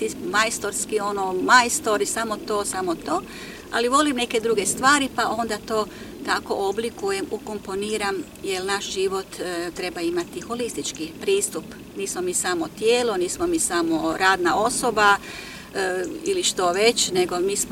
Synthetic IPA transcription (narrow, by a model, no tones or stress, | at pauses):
t̪imajst̪oɾskio̞nomajst̪o̞ɾisamot̪o̞ːsamot̪o̞ː | a̰liʋo̞limne̞ke̞d̪ɾuɡest̪ʋaːɾipaʔo̞nd̪at̪o̞ː | t̪ako̞̰ʔoblikuje̞muko̞mpo̞niːɾam | jelnaʃʒiʋo̞t̪t̪ɾe̞baimat̪ixo̞list̪it͡ʃkipɾiːst̪up | niːsmomiːsamot̪jeːloniːsmomiːsamo̞ɾaːd̪nao̞so̞ba | iliʃt̪oʋe̞t͡ɕneɡomiːsmo